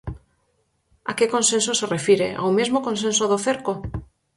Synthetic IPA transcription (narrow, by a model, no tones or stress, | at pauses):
akekonsensoserefiɾḛʔa̰wmezmokonsẽnsoðoθeɾko